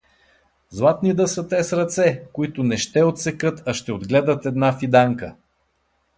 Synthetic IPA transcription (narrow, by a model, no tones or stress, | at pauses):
zlˠat̪nid̪əsət̪ɛsɾɐt̪sɛkoit̪ʊnɛʃt̪ɛot̪sɛkɤt̪ɐʃt̪ɛod̪ɡlɛd̪ət̪ɛd̪nafid̪aŋkə